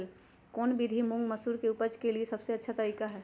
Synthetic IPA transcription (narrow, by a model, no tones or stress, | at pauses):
l | kɔːnbid̪ʱimʊ̃ŋɡmɐsuːɾkeʊpəd͡ʒkeliesɐbseɐtːʃʰat̪ɐɾikaɦɛː